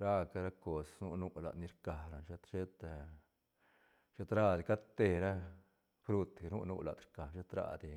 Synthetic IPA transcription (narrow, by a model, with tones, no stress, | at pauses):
ɾa˦ka˧ɾa˦ko˧snu˦nu˦la̰˨d̪ni˧ɾka˨ɾa˨ʃe˧˦t̪ʃe˦t̪a˧ | ʃe˦t̪ɾa˦˧d̪i˨ka˦d̪t̪e˧ɾa˦ | fɾu˧t̪nu˦nṵ˦la̰˨d̪ɾka˨ʃe˦t̪ɾa̰˧d̪i˨